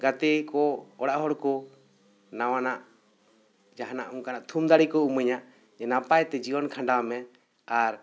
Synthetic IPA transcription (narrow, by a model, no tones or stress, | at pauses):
ɡat̪ɛkɔɔɽaʔɦɔɽkɔ | nawanaʔ | d͡ʒaɦna̰ʔuŋkanaʔt̪ʰumd̪aɽikɔuməɲaʔ | d͡ʒɛnapajt̪ɛd͡ʒiwɔnkʰãɳɖamɛ | aɾ